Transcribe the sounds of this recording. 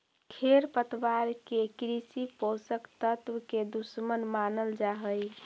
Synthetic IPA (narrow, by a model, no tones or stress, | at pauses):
kʰeɾpət̪waɾkekɾisiposəkt̪ət̪wəked̪usmənmanəld͡ʒaɦəj